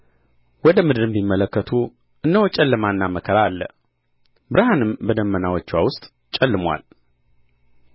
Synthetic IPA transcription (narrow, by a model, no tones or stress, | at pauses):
wɔd̪əmɨd̪ɨɾɨmbimːələkːət̪ʰu | ʔɨnːəwt͡ʃʼɛlːəmanːaməkʰəɾalːə̰ | bɨɾhanɨmbəd̪əmːənawɔt͡ʃːwawʊst̪ʼ | t͡ʃʼɛlːɨmwʷa̰l